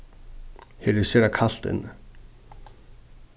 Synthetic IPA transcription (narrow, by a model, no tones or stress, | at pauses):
hɛɾɪ̥sɛɾakʰal̥t̪ɪ̰nː